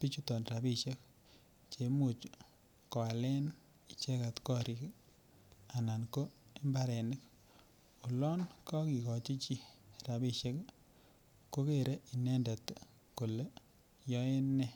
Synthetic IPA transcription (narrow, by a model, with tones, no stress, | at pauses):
pi˦t͡ʃu˦tɔ˨nra˨bi˦ʃe˦k | t͡ʃe˨mu˨t͡ʃ | kɔ˨a˨lɛ˦n | i˨t͡ʃe˦ka˨tkɔ˦ɾi˨k | a˨na˨nko˦e˦mba˦ɾɛ˨nɪ˦k | u˨lɔ˦nkɔ˦ki˨kɔ˨t͡ʃi˦t͡ʃi˦ra˨bi˦ʃe˦k | ko˦ke˨ɾe˦i˨nɛ˦nde˨t | ko˨le˦ | jɔ˦e˦nːɛ˦